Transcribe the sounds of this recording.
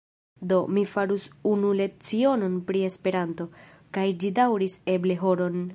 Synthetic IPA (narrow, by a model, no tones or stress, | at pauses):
do̞mifaɾusunule̞t͡siono̞npɾie̞spe̞ɾanto̞ | kajd͡ʒidawɾise̞ble̞ɦo̞ɾo̞n